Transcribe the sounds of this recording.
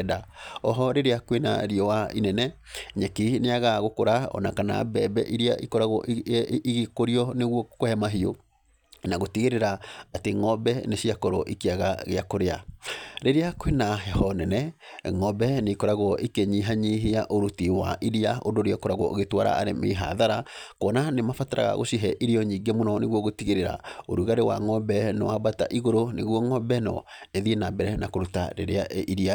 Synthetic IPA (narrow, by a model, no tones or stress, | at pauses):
daɔɦɔɾeɾeakwena̰ɾiɔwainɛnɛɲɛkineaɣaɣokoɾaɔ̰nakana̰bɛbɛ̰ʔiɾia̰ʔikɔɾaɣɔ̰iɣekoɾiɔneɣwɔkohɛmaɦio̰ | naɣotiɣeɾeɾaateŋɔbɛneʃiakɔɾɔ̰ʔikiaɣa̰ɣeakoɾeaɾeɾeakwenaɦɛhɔnɛnɛŋɔbɛneikɔɾaɣɔʔikeɲiɦaɲiɦeaʔoɾutiwa̰ʔiɾiaondoɾeakɔɾaɣwɔ̰ʔo̰ɣetwaɾa̰ʔa̰ɾemḛɦa̰ðaɾakɔnanemafataɾa̰ɣa̰ɣo̰siɦɛʔiɾiɔɲiːɡɛmonɔneɣwɔɣotiɣeɾeɾa̰oɾuɣaɾewa̰ŋɔbɛnewabata̰ʔiɣoɾoneɣwɔŋɔbɛnɔ̰ | eðienabɛɾɛnakoɾuta̰ɾeɾaiɾia